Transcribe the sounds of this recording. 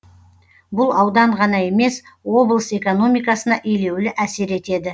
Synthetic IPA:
bʊlˠɑwd̪ɑɴʁɑnɑe̞me̞swo̞blˠəse̞ko̞no̞mijkɑsənɑʔejle̞wlɪʔæse̞ɾe̞t̪e̞d̪ɪ

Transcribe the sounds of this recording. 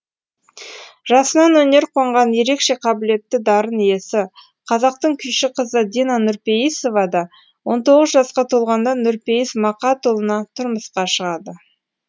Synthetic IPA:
ʒ̥ɑsənɑnwɵne̞ɾqʰo̞ɴʁɑnje̞ɾe̞kʃe̞qʰɑbɪle̞t̪ːɪd̪ɑɾənije̞sɪ | qʰɑzɑq̚t̪əɴkʲʰʏnʃɪqʰəzəd̪inɑnʊɾpe̞jiso̞vɑd̪ɑ | wo̞nt̪o̞ʁəzʒɑsqɑt̪ʰo̞lˠʁɑnd̪ɑnʊɾpe̞jismɑqɑt̪ʰolˠənɑt̪ʰʊɾməsqɑʃəʁɑd̪ə

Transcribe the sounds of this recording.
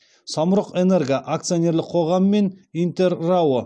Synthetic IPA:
sɑmɾəqene̞ɾɡaʔak̚t̪sɨjonʲe̞ɾlɪqʰo̞ʁɑməːe̞nijnt̪e̞ɾːawə

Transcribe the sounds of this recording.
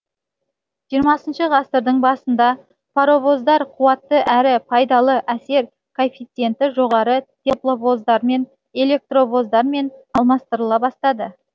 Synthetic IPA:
ʒijəɾmɑsənʃəʁɑst̪əɾd̪əɴbɑsənd̪ɑ | pʰaɾo̞vo̞zd̪ɑɾqʰuwɑt̪ːəʔæɾɪpʰɑjd̪ɑlˠəʔæse̞ɾ | kʰo̞fʲit̪sɨe̞nt̪ɪʒo̞ʁɑɾət̪ʰe̞plˠovo̞zd̪ɑɾme̞n | e̞lʲe̞k̚t̪ro̞vo̞zd̪ɑɾme̞nɑlˠmɑst̪əɾəlˠɑbɑst̪ɑd̪ə

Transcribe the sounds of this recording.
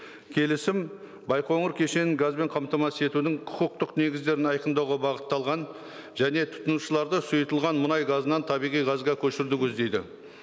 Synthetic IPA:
kʲʰe̞lɪsɪm | bɑjqo̞ɴəɾkʲʰe̞ʃe̞nɪŋɡazbe̞ɴqʰɑmt̪ɑmɑsəe̞t̪ud̪ɪŋqʰʊ̥qʊq̚t̪əqne̞ɡʲɪzd̪e̞ɾɪnɑjqənd̪ɑwʁɑbɑʁət̪ːɑlˠʁɑn | ʒ̥æne̞t̪ʰʊ̥t̪ənuʃəlˠɑɾd̪əsʊjət̪əlˠʁɑnmʊnɑjɡɑzənɑnt̪ʰɑbijʁijʁɑzʁɑkʲʰɵʃɪɾd̪ɪkʲʰɵzd̪e̞jd̪ɪ̰

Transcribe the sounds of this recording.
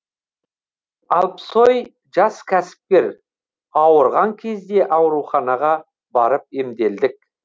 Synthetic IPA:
ɑlˠpso̞j | ʒɑskʲʰæsɪ̥p̚kʲe̞ɾ | ɑwəɾʁɑŋkʲʰe̞zd̪e̞ʔɑwɾuχɑnɑʁɑ | bɑɾəp̚e̞md̪e̞ld̪ɪk̚

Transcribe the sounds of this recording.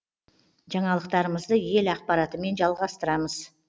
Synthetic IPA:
ʒɑɴɑlˠəq̚t̪ɑɾəməzd̪əje̞lɑq̚pɑɾɑt̪əme̞nʒɑlˠʁɑst̪əɾɑməz̥

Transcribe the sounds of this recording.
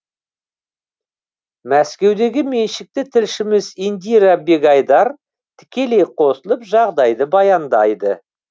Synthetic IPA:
mæskʲe̞wd̪e̞ɡʲɪme̞nʃɪk̚t̪ɪt̪ʰɪlʃɪmɪzind̪iɾabe̞ɡɑjd̪ɑɾ | t̪ʰɪ̥kʲe̞le̞jqʰo̞səlˠəpʒɑʁd̪ɑjd̪əbɑjɑnd̪ɑjd̪ə

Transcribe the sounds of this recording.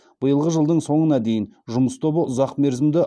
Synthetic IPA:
b̥əjəlˠʁəʒəlˠd̪əɴso̞ɴənɑd̪e̞jɪnʒʊməst̪ʰo̞bəʊzɑqme̞ɾzɪmd̪ɪ

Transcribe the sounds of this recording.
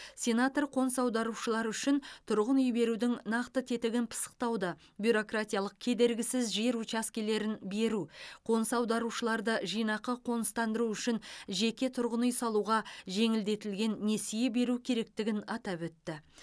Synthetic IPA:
sʲe̞nat̪orqʰo̞nsɑwd̪ɑɾuʃəlˠɑɾʏʃɪnt̪ʰʊɾʁənʏjbe̞ɾud̪ɪŋnɑqt̪ət̪ʰe̞t̪ɪɡʲɪnpʰə̥sə̥q̚t̪ɑwd̪ə | bʲjuɾo̞krat̪ʲijalˠəq̚kʲʰe̞d̪e̞ɾɡʲɪsɪzʒe̞ɾut͡ʃaskʲele̞ɾɪnbe̞ɾuqʰo̞nsɑwd̪ɑɾuʃəlˠɑɾd̪əʒijnɑqəqʰo̞nəst̪ɑnd̪əɾuʏʃɪnʒe̞kʲe̞t̪ʰʊɾʁənʏjsɑlˠuʁɑʒe̞ŋɪld̪e̞t̪ɪlɡʲe̞nːe̞sije̞be̞ɾukʲʰe̞ɾe̞k̚t̪ɪɡʲɪnɑt̪ɑpwɵt̪ːɪ

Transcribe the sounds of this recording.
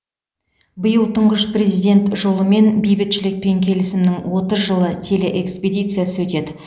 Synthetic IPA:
bəjəlˠt̪ʰʊɴʁəʃpre̞zijd̪ʲe̞nt̪ʒo̞lˠəme̞nbijbɪt̪ʃɪlɪk̚pe̞ŋkʲʰe̞lɪsɪmnɪŋwo̞t̪əzʒəlˠət̪ʲʰe̞leʔeksped̪ʲijt̪sɨjasəwɵt̪e̞d̪ɪ

